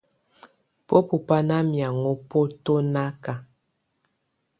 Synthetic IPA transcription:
po˦pu˨pa˦na˦mja˨ŋo˦po˦to˦na˦ka˨

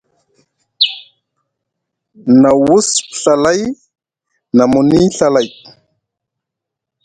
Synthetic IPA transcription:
na˨wu˦spɬa˨la˦j | na˨mu˨ni˦ɬa˦la˨j

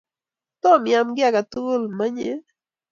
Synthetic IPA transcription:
t̪ɔ˦mja˨mɡɪ˦a˨ka˨t̪u˦lma˦ɲe˦

